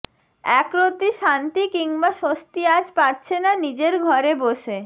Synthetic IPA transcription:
ɛkɾot̪iʃant̪ikiŋbaʃost̪iad͡ʑpaɾt͡ɕʰenanid͡ʑeɾɡʱɔɾeboʃe

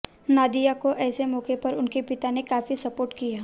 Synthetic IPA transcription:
naːd̪ijakoʔɛːsemɔːkepɐɾʊnkipɪt̪anekaːfisɐpoːɾʈkijaː

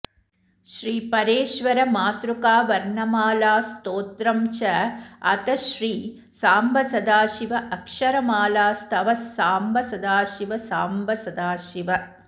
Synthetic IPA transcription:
ʃɾiːpɐɾeːʃʋɐɾɐmaːt̪ɾukaːʋɐɾɳɐmaːlaːst̪oːt̪ɾɐmt͡ʃɐɐ̰t̪ɐʃɾiː | saːmbɐsɐd̪aːʃiʋɐʔɐkʂɐɾɐmaːlaːst̪ʰɐʋɐsːaːmbɐsɐd̪aːʃiʋɐsaːmbɐsɐd̪aːʃiʋɐ

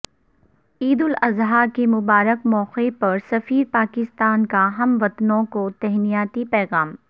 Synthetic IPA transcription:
iːd̪ʊlɐzɦaːɾkemʊbaːɾəkmɔːqepɐɾsɐfiːɾpaːkɪst̪aːnkaɦɐmʋɐt̪nõkot̪ɛɦnijaːt̪ipɛːɣaːm

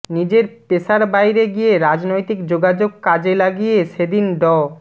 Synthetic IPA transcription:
nid͡ʑeɾpeʃaɾbajɾeɡijeɾad͡ʑnojt̪ikd͡ʑoɡad͡ʑoɡ̚kad͡ʑelaɡijeʃed̪inɖɔ

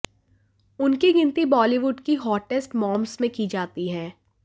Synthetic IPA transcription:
ʊnkiɡɪ̃nt̪ibɔːliʋʊɖkiɦɔːʈɪsʈmɔ̃ːmsmẽkid͡ʒaːt̪iɦɛ̃ː

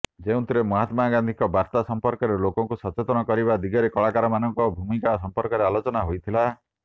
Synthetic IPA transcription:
d͡ʒeũt̪ʰiɾemɔɦat̪maɡand̪ʱikɔbaɾt̪asɔmpɔɾkɔɾelokɔŋkusɔt͡ʃet̪ɔnɔkɔɾiβad̪iɡɔɾekɔɭakaɾɔmanɔŋkɔbʱumikasɔmpɔɾkɔɾealot͡ʃɔnaɦojt̪ʰila

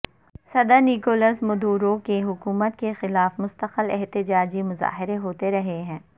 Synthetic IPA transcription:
sɐd̪əɾnikoːləsmʊd̪uːɾokeɦʊkuːmət̪kexɪlaːfmʊst̪əqəlɛɦt̪ɪd͡ʒaːd͡ʒimʊza̰ːɦɪɾeɦoːt̪eɾɐɦeɦɛ̃ː

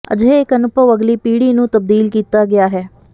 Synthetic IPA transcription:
ə̰d͡ʒeɪkənʊbəʋəɡliːpiːɽiːnũːt̪əb̚d̪iːlkiːt̪aːɡɪjaːɦɛː

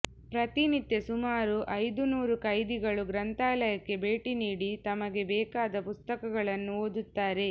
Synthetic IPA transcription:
pɾɐt̪init̪ːjesumaːɾuʔɐjd̪unuːɾukɐjd̪iɡɐɭuɡɾɐnt̪aːlɐjɐkːe̞beːʈiniːɽit̪ɐmɐɡe̞bɛːkaːd̪ɐpust̪ɐkɐɡɐɭɐnːuoːd̪ut̪ːaːɾe̞

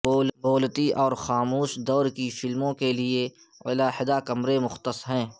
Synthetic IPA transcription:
boːlboːlt̪iʔɔːɾxaːmuːʃd̪ɔːɾkifɪlmõkelie | wɐ̰laːɦɪd̪akɐmɾemʊxt̪əsɦɛ̃ː

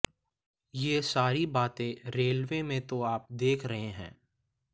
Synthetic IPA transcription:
jeːsaːɾibaːt̪ẽɾeːlʋemẽt̪oaːp̚d̪eːkʰɾɐɦẽɦɛ̰̃ː

